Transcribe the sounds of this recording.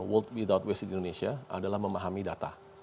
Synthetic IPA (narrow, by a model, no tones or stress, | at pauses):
wəlt̪̚wid̪at̪̚wesdindonesiaa̰dalahməmaɦamidat̪a̰